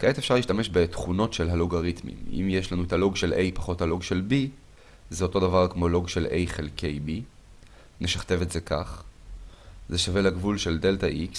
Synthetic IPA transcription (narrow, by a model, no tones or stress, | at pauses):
kaetefʃaʁliːʃtame̞ʃbe̞tχuno̞tʃe̞lɦaloɡaʁitmḭmḭmjeʃlanuetalo̞ɡʃe̞lʔejpaχo̞thalo̞ɡʃe̞lbi | zeoto̞davaʁkmo̞lo̞ɡʃelʔe̞jχelkʰe̞jbi | neʃaχte̞vetze̞ka̰χ | zeʃave̞leɡvulʃe̞ldeltaʔiks